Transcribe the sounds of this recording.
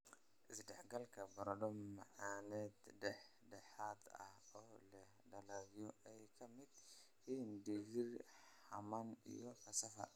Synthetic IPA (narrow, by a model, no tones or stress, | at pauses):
ʔɪsɖɛħɡɐlkʰɐbɐɾɐdɔmɐʕanɛːd̪ɖɛħ | ɖɛħaːd̪ɐ̰hɔːlɐ | ɖɐlɐɣjɔʔɛjkʰɐmɪd̪̥ | hiːnɖɪɣɪrħɐmɐnḭjɔfɐsɐfɐ̰